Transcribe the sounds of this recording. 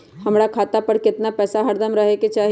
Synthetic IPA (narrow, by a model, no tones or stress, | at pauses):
hɐmɾakʰaːt̪apɐɾkɪt̪napɛːsaɦɐɾd̪ʱəmɾɐɦeket͡ʃaːɦ